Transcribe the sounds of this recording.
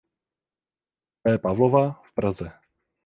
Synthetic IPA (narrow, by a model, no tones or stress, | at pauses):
pɛːpavlovafpɾazɛ